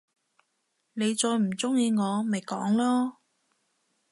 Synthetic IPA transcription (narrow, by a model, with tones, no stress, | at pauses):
ne˨˧jt͡ʃɔː˧jm̩˨˩t͡sʊ˥ŋjiː˨˧ŋɔː˨˧mɐ˨jkɔː˨˥ŋlɔː˥